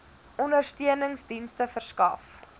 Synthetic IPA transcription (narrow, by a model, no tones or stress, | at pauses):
ɔndərstiənəŋsdinstəfərskɐf